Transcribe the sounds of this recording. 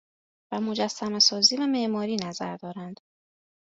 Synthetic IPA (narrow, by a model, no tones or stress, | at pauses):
væmo̞d͡ʒæsːæmesɒːziːvæme̞ʔmɒːɾiːnæzæ̰ɾd̪ɒːɾænd̪̥